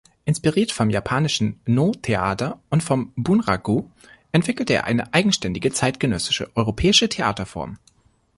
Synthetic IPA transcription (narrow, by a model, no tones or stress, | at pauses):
ʔɪnspiʁiːɐtfɔmjapʰaːnɪʃn̩noːtʰeʔa̰ːtɐʔʊntfɔmbunʁaɡoː | ʔɛntv̥ɪkl̩təḛːɐʔa̰ɪnə̰ʔaɪɡŋ̩ʃtɛndɪɡət͡saɪtɡ̥ənœsɪ̥ʃə̰ʔɔʏʁopʰɛːɪʃətʰea̰ːtɐfɔ̰ɐm